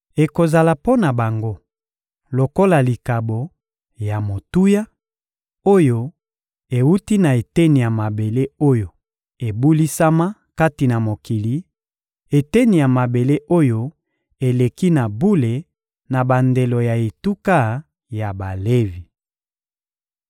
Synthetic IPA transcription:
e˨ko˨za˨la˨po˦na˨ba˨ŋɡo˦ | lo˨ko˦la˨li˨ka˨bo˨ | ja˨mo˨tu˦ja˦ | o˦jo˦ | e˨wu˦ti˦na˨e˨te˦ni˨ja˨ma˨be˨le˦o˦jo˨ | e˨bu˦li˦sa˦ma˦ka˦ti˨na˨mo˨ki˨li˨˦ | e˨te˦ni˨ja˨ma˨be˨le˦ʔo˦jo˦ | e˨le˨ki˦na˨bu˦le˨ | na˨ba˨nde˨lo˨ja˨e˨tu˦ka˦ | ja˨ba˨le˦vi˨

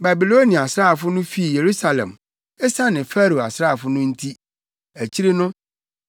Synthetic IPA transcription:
ba˨bi˨lo˦nĩ˨a˨sɾa˦a˨fʊ˦nʊ̃˦fi˦˨je˨ɾu˦sa˨lɛ̰˨m | ɛ˦sa˦nɪ̃˨fæ˦ɾo˨a˨sɾa˦˨fʊ˦nʊ̃˦n̩˦tʰi˦ | æ˨t͡ɕʰi˦ɾe˦nʊ̃˦

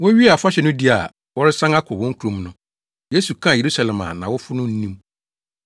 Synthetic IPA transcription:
wʊ̃˦ɥi˦a˨fʊ˦a˦ɕɛ˨nʊ̃˦di˦a̰˨ | wɔ˦ɾɪ˦sã˦ŋa˦kʰʊ˨wʊ̃˦ŋ̩˦kʰu˨ɾõ˦mnʊ̃˦ | je˨˦su˨kʰã˦˨je˨ɾu˦sa˨lɛ̃˨mã̰˨nã˨wʊ˦fʊ˦nʊ̃˦n̩˦nĩ˦m

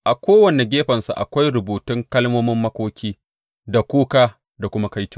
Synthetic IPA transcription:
ʔa˨kʷoː˦wɐ˨ne˨ɡʲeː˦ɸɐ˨nsṵ˨ʔa̰˨kʷa˦jɾʊ˨buː˨tɪ˦ŋkɐ˦lmoː˦mɪ˦mːɐ˦kʷoː˦kʲiː˦ | da˨kʷuː˦kaː˦ | da˨kʷʊ˦ma˦ka˦jtʊ˦ŋ

